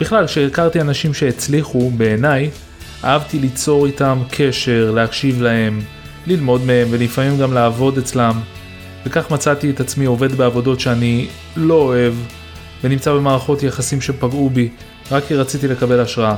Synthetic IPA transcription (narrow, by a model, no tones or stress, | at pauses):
b̥iχlalkʃeːkaʁt̪ianaʃimʃe̞ːt͡sliχube̞ːnaj | ʔa̰avtilit͡so̞ʁitamkʰe̞ʃe̞ʁleakʃivlahe̞m | lilmo̞dme̞e̞mve̞lifamimɡamlaːvo̞det͡slam | ve̞kaχmat͡sat̪ietat͡smio̞ve̞dbeavo̞do̞tʃeani | lo̞ːe̞v | venimt͡sabe̞maːʁaχo̞tjaχasimʃe̞paɡubi | ʁakːiʁat͡sitile̞kabe̞laʃʁaa